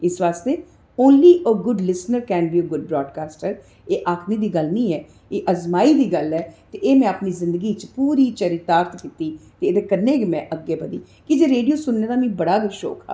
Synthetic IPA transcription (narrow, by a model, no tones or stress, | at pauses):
ɪsʋaːst̪eː | õːnliːʔəɡʊɖlɪsnəɾkɛ̃ːnbiːəɡʊɖ̚bɾɔːɖkaːsʈəɾ | eːʔaːkʰniːd̪iːɡəlnĩːɛː | eːʔəzmaːiːd̪iːɡəlɛːt̪eːʔeːmɛ̃ːəpniːzɪ̃nd̪əɡiːt͡ʃpuːɾiːt͡ʃəɾiːt̪aːɾt̪ʰkɪt̪iːt̪eːd̪eːkəɾneːɡemɛ̃ːʔəɡːeːpəd̪iː | kɪd͡ʒeːɾeːɖijoːsʊnːeːd̪aːmĩːbəɽaːɡəʃo̰ːkʰa̰ː